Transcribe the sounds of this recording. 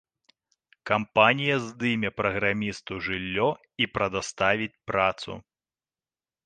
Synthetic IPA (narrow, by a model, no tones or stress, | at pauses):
kampanʲijɐzd̪ɨmʲɛpɾɐɣɾamʲist̪uʐɨlʲːɔ | ipɾɐd̪ast̪avʲit͡sʲpɾat̪sṵ